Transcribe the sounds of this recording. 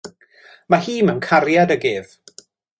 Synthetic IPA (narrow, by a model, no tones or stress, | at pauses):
mahiːməmkʰaɾjadəɡɪːð̥